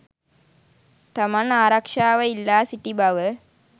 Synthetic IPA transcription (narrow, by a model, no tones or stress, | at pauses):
t̪ɐmɐnaːɾɐkʂaːʋəilːaːsiʈibɐʋə